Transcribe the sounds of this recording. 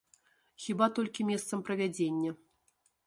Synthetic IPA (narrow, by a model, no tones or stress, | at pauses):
xʲibat̪olʲkʲimʲest̪səmprɐvʲæd͡zʲenʲːə